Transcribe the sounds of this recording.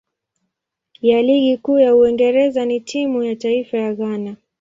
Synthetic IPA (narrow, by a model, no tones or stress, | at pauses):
jaliɠikuːjauiŋɡɛɾɛzanitʰimujataifajaɣana